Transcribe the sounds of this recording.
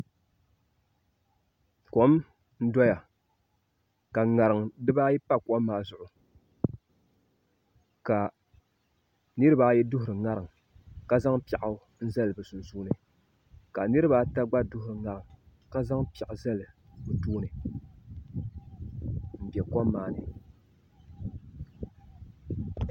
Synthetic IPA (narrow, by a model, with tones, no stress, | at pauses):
ko˨˦m | n̩˦dɔ˦ja˨ | ka˨ŋa˨ɾɨ˨ŋ˨dɨ˦ba˦jɛ˦pa˦kɔ˦mː˦aː˨zʊ˨ʔʊ˨ | ka˨ | nɨ˦ɾɨ˦ba˦jɛ˦dʊ˦hʊ˨ɾɨ˨ŋa˦ɾɨ˨ŋ˨ | ka˦za˦ŋpɛ˨ʔa˨˦ | n̩˦za˦lɨ˨bɨ˨su˨suː˦nɨ˨ | ka˨nɨ˦ɾɨ˦baː˦ta˦ɡ͡ba˦dʊ˦hʊ˨ɾɨ˨ŋa˨ɾɨ˨ŋ | ka˦za˦ŋpɛ˨ʔa˨za˦lɨ˨bɨ˨tuː˦nɨ˨ | m̩˨bɛ˨kɔ˦mːaː˦˨nɨ˨